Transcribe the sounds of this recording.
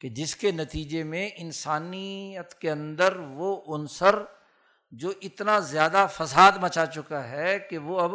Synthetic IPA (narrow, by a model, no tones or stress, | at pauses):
ked͡ʒɪskenɐt̪iːd͡ʒemẽʔɪnsaːniət̪keɐ̃nd̪əɾʋoʔʊnsəɾ | d͡ʒoːʔɪt̪nazjaːd̪afɐsaːd̪mɐt͡ʃat͡ʃʊkaɦɛkeʋoɐb